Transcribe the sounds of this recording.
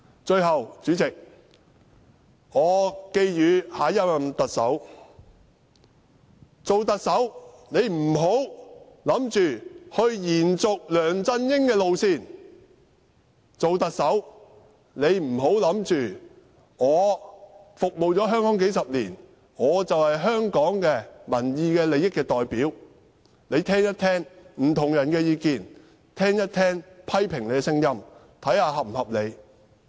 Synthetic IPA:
t͡ʃɵ˧ɥɦɐ˨wt͡ʃyː˨˥t͡sɪ˨k̚ | ŋɔː˨˧ke˧jjyː˨˧haː˨˥jɐ˥wjɐ˨mt̪ɐ˨k̚sɐ̰˨˥w | t͡so˨wt̪ɐ˨k̚sɐ˨˥w | ne˨˧jm̩˨˩ɦo˨˥w | lɐ˨˥mt͡ʃyː˨hɵ˧ɥjiː˨˩nt͡sʊ˨k̚lœː˨˩ŋt͡sɐ˧njɪ˥ŋkɛː˧lo˨wsiː˧˩n | t͡so˨wt̪ɐ˨k̚sɐ˨˥w | ne˨˧jm̩˨˩ɦo˨˥wlɐ˨˥mt͡ʃyː˨ | ŋɔː˨˧ | fʊ˨k̚mo˨wt͡sɔː˨˥ɦœː˥ŋkɔː˨˥ŋk̬e˨˥jsɐ˨p̚lḭː˨˩n | ŋɔː˨˧t͡sɐ˨whɐ˨jɦœː˥ŋkɔː˨˥ŋkɛː˧mɐ˨˩njiː˧kɛː˧le˨jɪ˥kːɛː˧t̪ɔː˨jpiː˨˥w | le˨˧jt̪ʰɛː˥ŋjɐ˥t̪ʰɛː˥ŋm̩˨˩t̪ʰʊ˨˩ŋjɐ˨˩nkɛː˧jiː˨˧kiː˨˩n | t̪ʰɛː˥ŋjɐ˥t̚t̪ʰɛː˥ŋpʰɐ˥jpʰɪ˨˩ŋle˨jɛ˧sɪ˥ŋjɐ˥m | t̪ʰɐ˨˥jhaː˧ɦɐ˨m̩˨˩hɐ˨p̚le˨˧j

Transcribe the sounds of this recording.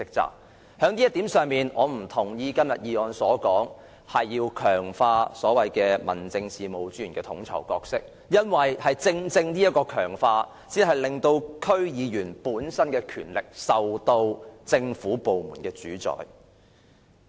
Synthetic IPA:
t͡sɪ˨˥k̚t͡sa̰ː˨k̚ | hœː˨˥ŋniː˥jɐ˥t̪i˨˥msœː˨ŋmiː˨nʔɔː˨˧m̩˨˩t̪ʰʊ˨˩ŋjiː˧kɐ˥mjɐ˨t̚jiː˨˧ɔː˨nsɔː˨˥kɔː˨˥ŋ | hɐ˨jːiː˧wkʰœː˨˩ŋfaː˧sɔː˨˥wɐ˨jkɛː˧mɐ̰˨˩nt͡sɪ˧ŋsiː˨mo˨˧wt͡sy˥yː˨˩nkɛː˧t̪ʰʊ˨˥ŋt͡sʰɐ̰˨˩wkɔː˧k̚sɪ˥k̚ | jɐ˥nwɐ˨jhɐ˨jt͡sɪ˧ŋt͡sɪ˧ŋni˥jɐ˥t̚kɔː˧kʰœː˨˩ŋfaː˧ | siː˥nɦɐ˨jlɪ˨ŋt̪o˧wkʰɵ˥ɥjiː˨˧jyː˨˩npuː˨˥nsɐ˥nkɛː˧kʰy̰ː˨˩nlɪ˨k̚sɐ˨wt̪o˧wt͡sɪ˧ŋfuː˨˥po˨wmuː˨˩nkɛː˧t͡ʃyː˨˥t͡sɔ̰ː˨j

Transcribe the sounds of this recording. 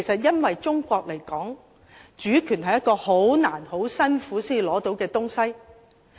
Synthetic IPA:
jsɐ˨t̚jɐ˥nwɐ˨jt͡ʃʊ˥ŋkʷɔː˧k̚le˨˩jkɔː˨˥ŋ | t͡ʃyː˨˥kʰyː˨˩nhɐ˨jɐ˥t̚kɔː˧ho˨˥wnaː˨˩nho˨˥wsɐ˥nfuː˨˥siː˥ji˨˩lɔː˨˥t̪o˨˥wkɛː˧t̪ʊ˥ŋsɐ˥j

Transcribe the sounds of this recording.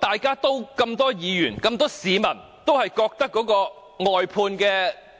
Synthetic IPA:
t̪aː˨jkaː˥t̪o˥wkɐ˧mt̪ɔː˥jiː˨˧jyː˨˩nkɐ˧mt̪ɔː˥siː˨˥mɐ˨˩n | t̪o˥whɐ˨jkɔː˧k̚t̪ɐ˥kːɔː˨˥kɔː˧ | ŋɔː˨jpʰuː˧nkɛː˧

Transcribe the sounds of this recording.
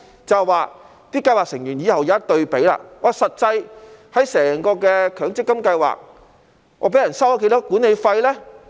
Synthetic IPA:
t͡sɐ˨wwaː˨ | t̪iː˥kɐ˧jwaː˨ksɪ˨˩ŋjyː˨˩njiː˨˧hɐ˨wjaː˨˦ɐ˥t̚t̪ɵ˧ɥpe˨˥jla̰ː˧ŋɔː˨˧sɐ˨t̚t͡sɐ˧jhɐ˨˥jsɛː˨˩ŋkɔː˧kɛː˧kʰœː˨˥ŋt͡sɪ˥kːɐ˥mkɐ˧jwa̰ː˨k̚ | ŋʔɔː˨˧pe˨˥jɐ˨˩nsɐ˥wa˨˥ke˧jt̪ɔ˥kuː˨˥ne˨˧jfɐ˧jlɛː˥

